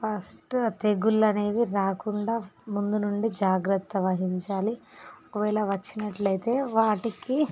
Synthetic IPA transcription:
pɐsʈt̪e̞ɡulːɐne̞ːʋiɾaːkuɳɖaːmund̪unuɳɖid͡ʒaːɡɾɐt̪ːɐʋɐɦiɲt͡ʃaːliokɐʋɛːɭɐʋɐt͡ʃːinɐʈlɐjt̪e̞ːʋaːʈiki

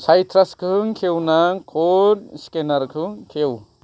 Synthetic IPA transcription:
sʰajt̪ʰɾaskʰɯŋkʰewnaŋkʰonskenɐɾkʰɯŋkʰew

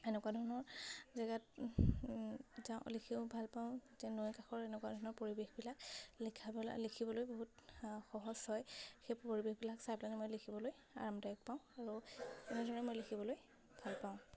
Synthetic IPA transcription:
ɛnɛkwadʱɔɹɔnɔɹzaɡat | zaʊ̰̃likʰiʊbʱalpaʊ̃tɛnojkaxɔɹɛnɛkwadʱɔɹnɔɹpoɹibexbilak̚likʰab̰likʰibɔlojboɦutxɔɦɔsɔjxejpoɹibexbilaksajplanɛmojlikʰibɔloj | a̰ɹamdaɔk̚paʊ̃aɹuɛnɛdʱɔɹɔnɛmojlekʰibɔloj | bʱalpaʊ̃

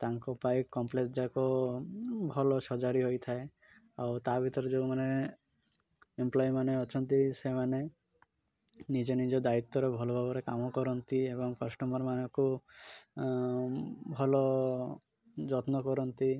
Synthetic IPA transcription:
t̪aŋkɔpajkɔmplesd͡ʒako | bʱɔlɔʃɔd͡ʒaɾiɦojt̪ʰae | a̰wt̪abʱit̪ɔɾed͡ʒomane | emplɔjmaneɔt͡ʃʰɔnt̪isemane | nid͡ʒenid͡ʒɔd̪ait̪ːɔɾebʱɔlɔbʱɔbɔɾekamɔkɔɾɔnt̪iebɔŋkɔsʈɔmɔɾmanɔku | bʱɔlɔ | d͡ʒɔt̪nɔkɔɾɔnt̪i

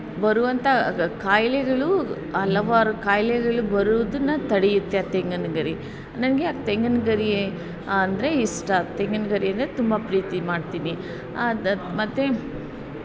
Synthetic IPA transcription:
bɐɾuʋɐnt̪ʰɐkaːjlɛɡɐɭu | ɐlɐʋaːɾɐkaːjlɛɡɐɭubɐɾuʋɐd̪unːɐt̪ɐɽejut̪ːeɐt̪eŋɡɐnɐɡɐɾi | nɐnɡejaːk̚t̪eŋɡɐnɐɡɐɾiː | nd̪ɐɾeisʈɐt̪eŋɡɐnɐɡɐɾiɐnd̪ɾet̪umbɐpɾiːt̪imaːɖt̪iːni | mɐt̪ːe

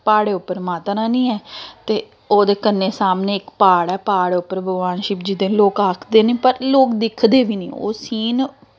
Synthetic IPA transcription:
paːɽeːʊpːəɾmaːt̪nãːnĩːɛːt̪eː | oːd̪eːkənːeːsaːmneːɪkpaːɽɛːpaːɽeːʊpːəɾbəɡʋaːnʃiːpd͡ʒɪd̪ẽːloːkaːkʰd̪eːnẽːpəɾloːkd̪ɪkʰd̪eːʋiːnḭ̃ːo̰ːsiːn

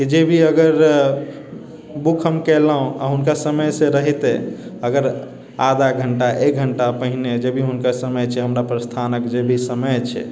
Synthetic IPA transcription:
kid͡ʒebʱiəɡəɾ | bukʰəmkɛlaɦũa̰ɦunkasəməjsẽɾəɦit̪eəɡəɾ | ad̪ʱaɡʱəɳʈaʔek̚ɡʱəɳʈapəɦined͡ʒebʱiɦunkasəməjt͡ʃʰɛɦəmɾapɾəst̪ʰanəkd͡ʒebʱisəməjt͡ʃʰɛ̰

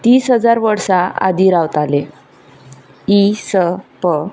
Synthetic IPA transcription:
t̪iːsɦəd͡zaɾʋəɾsaa̰d̪iɾawt̪ale | isəpə

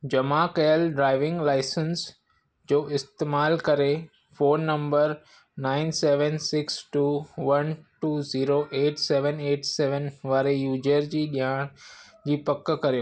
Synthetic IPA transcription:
d͡ʑɐmakɐjəlɖɾaːɪʋɪ̃ŋɡlaːɪsəns | d͡ʑoːɪst̪eːmaːlkɐɾe | foːnːɐ̃mbəɾ | naːɪnseːʋənsɪksʈuːʋɐnʈuːziːɾoʔeːʈseːʋəneːʈseːʋənʋaːɾejuːd͡ʑəɾd͡ʑiːɗijaːɽ̃ | d͡ʑiːpɐkːkɐɾijoː

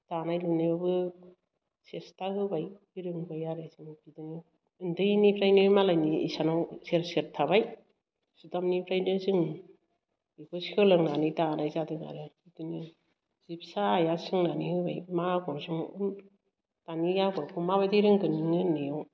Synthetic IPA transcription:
tanajlɯnajbabɯ | sestaɦɯbaj | iɾɯŋbajaɾesɯŋbidɯni | ɯndɯnipʰɾajnimalajnḭːsanawseɾseɾ̚tʰaβaj | sutamnipʰɾajnɯsɯŋ | ikʰɔsikʰɯlɯŋnanitanajzadɯɡa̰ɾɯikɯni | z̥ipsaːjasɯŋnanihɯbajmaɡɔɾsɯŋɯ̰m | tanijaɡɔɾkʰumaβadiɾɯŋkɯniŋɯnijaw

